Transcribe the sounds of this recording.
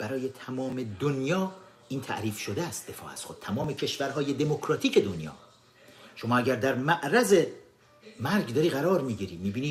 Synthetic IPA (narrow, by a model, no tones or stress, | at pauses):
b̥æɾɒːjet̪ʰæmɒːme̞d̪onjɒː | ʔiːnt̪ʰæ̰ʔɾiːfʃo̞d̪eæst̪̚d̪e̞fɒ̰ːæ̰stxod̪̥̚t̪ʰæmɒːme̞cʰe̞ʃvæɾɦɒːje̞d̪e̞mo̞kʰɾɒːt̪ʰiːcʰe̞d̪onjɒ̰ː | ʃo̞mɒːæɟæɾd̪æɾmæʔɾæze̞ | mæɾɡd̪ɒːɾiːɣæɾɒːɾmiːɡiːɾiːmiːbiːniː